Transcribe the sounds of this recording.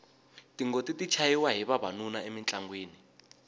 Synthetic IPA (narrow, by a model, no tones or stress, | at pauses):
tiŋɡotitit͡ʃʰajiwaɦiβaβanunaemint͡ɬʼaŋɡweːni